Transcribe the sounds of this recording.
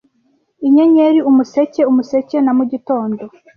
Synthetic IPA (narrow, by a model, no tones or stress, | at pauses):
iɲeɲe̞ɾiumuse̞ce̞umuse̞ce̞namuɟito̞ːndo̞